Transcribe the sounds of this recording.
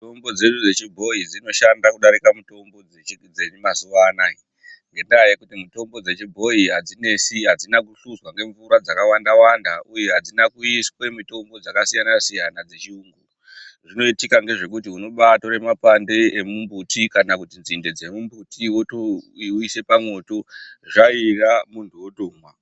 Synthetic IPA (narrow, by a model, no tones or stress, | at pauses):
tombo̞d͡ze̞ɗud͡zet͡ʃibʱo̞ɦid͡zino̞ʃandakuɗaɾikamuto̞mbo̞ | d͡zeimazuʋanai | ŋɡe̞ndajekutimito̞mbo̞d͡ze̞t͡ʃibʱo̞iɦad͡zine̞siɦad͡zinakuɬuzwaŋɡe̞ɱvuɾad͡zakawandawandaʔujeɦad͡zinakuiskwe̞mito̞mbo̞d͡zakasijanasijanad͡ze̞t͡ʃiuŋɡuro | ʐino̞itikaŋɡe̞ʐe̞kutiuno̞ɓato̞ɾe̞mapande̞emumbutʰikanakutinzinde̞d͡zemumbutʰiwotoiuise̞pamo̞to̞ʐairamuntʰuwotoːmwa